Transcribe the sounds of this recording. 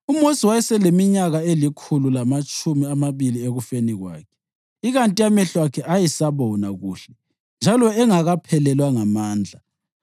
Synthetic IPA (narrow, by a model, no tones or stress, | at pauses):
umosiwajɛsɛlemiɲaɣaelikʰululamat͡ʃʼumiamaβilieɣufeniɣwa̰ːkʰɛ̥ | iɣantʼiamɛɬwakʰɛʔajisaβɔnaɣuːɬɛ | nd͡ʒʱalɔɛŋaɣapʰɛlɛlwaŋamaːnd͡ɮʱa